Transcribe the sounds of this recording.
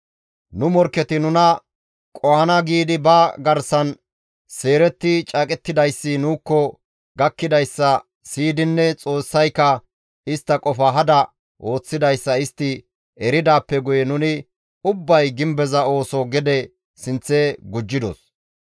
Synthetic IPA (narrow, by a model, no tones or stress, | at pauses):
nʊmɔɾkːɛt̪ɪnʊnɐ | kʼɔhɐnɐɡiːd̪ɪbɐɡɐɾsɐn | se̞ːɾɛt̪ːɪt͡ʃʼɐkʼɛt̪ːɪd̪ɐjsːɪnuːkːɔ | ɡɐkːɪd̪ɐjsːɐ | siːd̪ɪnːɛt͡sʼo̞ːsːɐjkːɐ | ɪst̪ːɐkʼɔfɐɦɐd̪ɐ | ʔo̞ːt͡sːɪd̪ɐjsːɐɪst̪ːɪ | ɛɾɪd̪aːpːɛɡʊjɛnʊnɪ | ʊbːɐjɡɪmbɛzɐo̞ːsɔɡɛd̪ɛ | sɪnt͡sːeːɡʊd͡ʒːɪd̪ɔ̰s